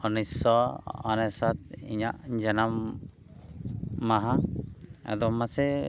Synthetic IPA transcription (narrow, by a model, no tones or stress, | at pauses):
ɔnisɔɔ̰nɛsat̪̚ḭɲaʔd͡ʒanam | aɦã | a̰d̪ɔmasɛ